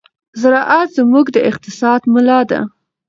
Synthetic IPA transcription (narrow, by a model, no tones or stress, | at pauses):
zaɾɑʔat̪zəmuɡd̪əɪq̚t̪ɪsɑd̪mʊlɑd̪a̰